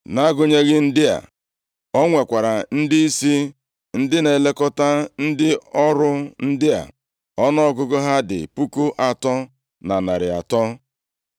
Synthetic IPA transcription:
na˦ɡʊ˦ɲe˦ɣɪ˦n̩˦dɪ˦a̰˨ | ɔ˦ŋʷe˨kʷa˨ɾa˨n̩˦dɪ˦i˦si˦ | n̩˦dɪ˦ne˨le˦kɔ˦ta˦n̩˦dɪ˦ɔ˦ɾʊ˦n̩˦dɪ˦a̰˨ | ɔ˦nɔ˦ɔ˦kʊ˦ɡʊ˦ɦa˦dɪ̰˨pu˦ku˦ʔa˨tɔ˦ | na˨na˨ɾɪ˨a̰˨tɔ˦

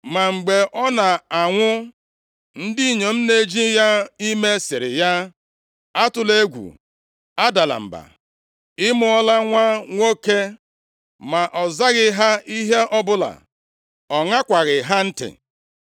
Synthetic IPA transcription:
ma˨ŋ͡m̩˨ɡ͡be˨ʔɔ˦na˨a˨ŋʷʊ˦ | n̩˦dɪ˦i˨ɲe˨m̩˦ne˦d͡ʒi˦ja˦i˦me˦sɪ˨ɾɪ˨ja˦ | a˦tʊ˨le˦ɡʷṵ˨ | a˦da˨la̰˨m̩˨ba̰˨ | ɪ˦mʊ˦ɔ˦la˦ŋʷa˦ŋʷo˦ke˦ | ma˨ʔɔ˨za˦ɣɪ˦ɦa˦i˦ɦe˦ʔɔ˦bʊ˦la̰˨ | ɔ˨ŋa˦kʷa˨ɣɪ˨ɦa˦n̩˦tɪ̰˨

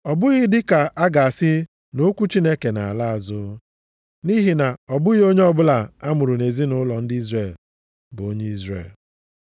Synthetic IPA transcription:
ɔ˨bʊ˦ɣɪ˦dɪ˦ka˨a˦ɡa˨a˨sɪ˦ | no˦kʷu˦t͡ʃi˦ne˦ke˨na˨a̰˨la˦a˨zʊ˦ | ni˦ɦi˨na˨ɔ˨bʊ˦ɣi˦o˦ɲe˦ɔ˦bʊ˦la˨a˦mʊ˨ɾʊ˨ne˨zi˦nʊ˦lɔ˨n̩˦dɪ˦i˦zre˦˨l | bʊ˨o˦ɲe˦i˦zrḛ˨l

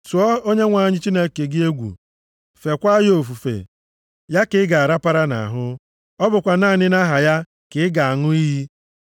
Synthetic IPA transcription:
tu˨ɔ˦o˦ɲe˦ŋʷa˨˦˨ɲɪ˦t͡ʃi˦ne˦ke˨ɡɪ˦e˦ɡʷṵ˨ | fe˨kʷa˦jo˨fu˨fḛ˨ | ja˦kɪ˨˦ɪ˦ɡa˨a˨ɾa˦pa˦ɾa˦na̰˨ɦʊ˦ | ɔ˦bʊ˨kʷa˨na˦˨nɪ˦na˦ɦa˨ja˦ | kɪ˨ɪ˦ɡa˨a˨ŋʊ˦i˦ɦi˦

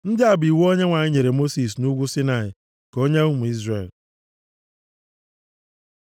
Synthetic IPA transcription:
n̩˦dɪ˦a˨bi˨wu˦o˦ɲe˦ŋʷa˨ɲɪ˦ɲe˨ɾe˨mo˦si˨s̬nu˦ɡʷu˦si˦na˨ɪ˨ | ko˦ɲe˦u˦mu˨i˦zre˨l

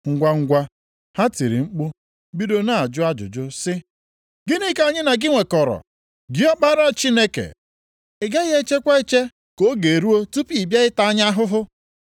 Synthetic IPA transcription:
ŋ̩˦ɡʷa˦ŋ̩˦ɡʷa˦ | ha˦ti˨ɾḭ˨ŋ͡m̩˦k͡pʊ˦ | bi˦do˦na˨a˨d͡ʒʊ˦a˦d͡ʒʊ̰˨d͡ʒʊ˦sɪ˦ | ɡɪ˦ni˦ka˨ɲɪ˦na˨ɡɪ˦ŋʷe˨kɔ˨ɾɔ̰˨ | ɡɪ˦ɔ˦k͡pa˦ɾa˨t͡ʃi˦ne˦kḛ˨ | ɪ˨ɡa˦ɣe˦t͡ʃe˦kʷa˦e˦t͡ʃe˦ | ko˦ɡe˨ɾu˦o˦tu˦pi˨bja˦ɪ˦ta˦a˦ɲ˦a˦ɦʊ˦ɦʊ˦

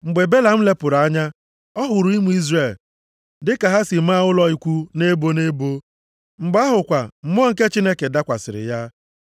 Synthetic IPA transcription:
ŋ͡m̩˨ɡ͡be˨be˦la˨m̩˦le˦pʊ˨ɾa˦ɲa˦ | ɔ˦ɦʊ˨ɾʊ˨˦i˦mu˦i˦zre˨l | dɪ˦ka˨ɦa˦si˨m̩˦a˦ʊ˦lɔ˦i˦kʷu˦ne˦bo˦ne˦bo˦ | ŋ͡m̩˨ɡ͡ba˦ɦʊ˨kʷa˨m̩˨m˦ɔ˦ŋ̩˨ke˦t͡ʃi˦ne˦ke˨da˦kʷa̰˨sɪ̰˨ɾɪ̰˨ja˦

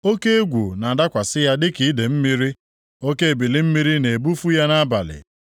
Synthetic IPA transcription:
o˦ke˦e˦ɡʷu˨na˨a˨da˦kʷa˨sɪ˦ja˦dɪ˦ki˨˦i˦de˨m̩˦mi˦ɾi˦ | o˦ke˦e˨bi˨li˦m̩˦mi˦ɾi˦ne˨e˨bu˦fu˦ja˦na˦ba̰˨lɪ̰˨

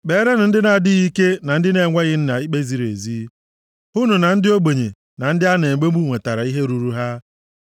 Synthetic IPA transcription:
be˨˦ɾe˦n̩˨n̩˦dɪ˦na˨dɪ˦ɣi˦ke˦na˨n̩˦dɪ˦ne˨ŋʷa˦ɣɪ˦n̩˦na˨i˦k͡pe˦zi˨ɾḛ˨zi˦ | ʊ˦nu˨na˨n̩˦dɪ˦o˦ɡ͡bo˨ɲe˨ | na˨n̩˦dɪ˦a˦ne˨ɡ͡be˦mu˦˨ŋʷe˨ta˨ɾa˨i˦ɦe˦ɾu˨ɾu˦ɦa˦

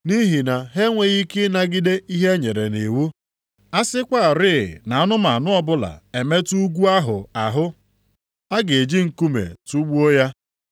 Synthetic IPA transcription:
ni˦ɦi˨na˨ɦe˦ŋʷe˨ɣi˦kɪ˦na˦ɡɪ˦de˦i˦ɦe˦ɲe˨ɾe˨ne˨wu˦ | a˦sɪ˦kʷa˦˨ɾɪ˦˨na˨a˦nʊ˦ma˨a˨nʊ˦ɔ˦bʊ˦la̰˨e˨me˦tu˦ɡʷu˦a˦ɦʊ˨a˨ɦʊ˦ | a˦ɡe˨e˨d͡ʒi˦ŋ̩˨ku˦mḛ˨tu˦ɡ͡bu˦o˦ja˦

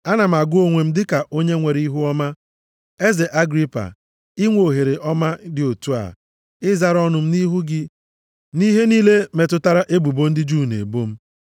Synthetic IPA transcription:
a˦na˨m̩˨a˨ɡʊ˦o˦ŋʷe˨m̩˦dɪ˦ka˨ʔo˦ɲe˦ŋʷe˨ɾi˦ɦu˦ɔ˦ma˦ | e˦ze˨ʔa˦ɡɾi˦pa̰˨ | ɪ˦ŋʷo˨ɦe˨ɾe˨ʔɔ˦ma˦dɪ˨o˨tu˦a̰˨ | ɪ˦za˦ɾɔ˦nʊ˨m̩˦ni˦ɦu˦ɡɪ˦ | ni˦ɦe˦niː˦le˦me˨tʊ˦ta˦ɾa˦ʔe˦bu˨bo˦n̩˦dɪ˦d͡ʒu˦˨nḛ˨bo˦m̩˦

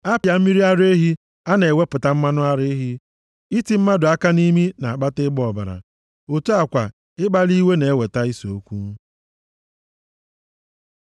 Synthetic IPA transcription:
a˦pja˨m̩˦mi˦ɾi˦a˦ɾe˦ɦi˦ | a˦ne˨e˨we˦pʊ˨ta˦m̩˦ma˦nʊ˦a˦ɾɪ˦ɦi˦ | i˦ti˨m̩˦ma˦dʊ˨a˦ka˦ni˦mi˦na˨a˨k͡pa˦tɪ˦ɡ͡bɔ˨ba̰˨ɾa̰˨ | o˨tu˦a˨kʷa˨ | ɪ˦ɡ͡ba˦li˦we˦ne˨e˦we˨ta˦i˦so˦kʷu˦m̩˦

